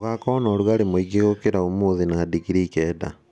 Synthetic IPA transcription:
ɣakɔnɔɾwaɾemoiɡeɣokeɾaomoðinaːdikiɾikɛda̰

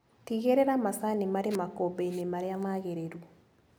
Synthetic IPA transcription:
tiɣeɾeɾamasanimaɾemakobenemaɾeamaɣeɾeɾu

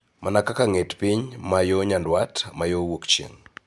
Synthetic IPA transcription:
mʔanakakaŋetpiɲmajoɲandwatmajowokt͡ʃḛŋ

